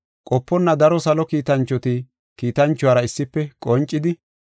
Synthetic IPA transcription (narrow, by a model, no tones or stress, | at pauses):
kʼɔpːɔnːɐd̪ɐɾɔsɐlɔkiːt̪ɐnt͡ʃːɔt̪ɪ | kiːt̪ɐnt͡ʃːʊwaːɾɐɪsːɪpːɛkʼɔnt͡ʃʼːɪd̪ɪ